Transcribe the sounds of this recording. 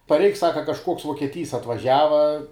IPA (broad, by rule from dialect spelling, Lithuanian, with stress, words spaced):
pɐrʲˈɛɪk ˈsɑːkɐ kɐʃˈkuɔks ʋuɔkʲiɛˈtʲiːs ɐtʋɐˈʒʲæːʋɐ